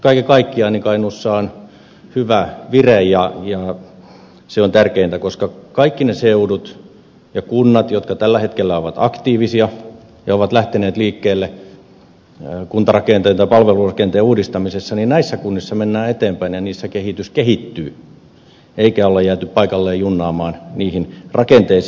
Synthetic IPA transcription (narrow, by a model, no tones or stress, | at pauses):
kɑikikɑikːiɑinikɑinusːɑːn | hyʋæʋirejjɑjɑ | seont̪ærkeint̪ækoskɑkɑikːineseudut̪ | jɑkunːɑt̪jot̪kɑt̪ælːæhet̪kelːæoʋɑt̪ɑkt̪iːʋisiɑ | jɑoʋɑt̪læht̪eneːt̪liːkːeːlːe | kunt̪ɑrɑkeːnt̪ɑnt̪ɑipɑlʋelurɑkent̪eːuːdist̪ɑmisesːɑninnæisːækunːisːɑmenːæːet̪eːmpæinjɑniːsːækehit̪yskehit̪ːyː | eikæolːɑjæːt̪yppɑikɑlːeːjjunːɑːmɑːnniːhinrɑkent̪eis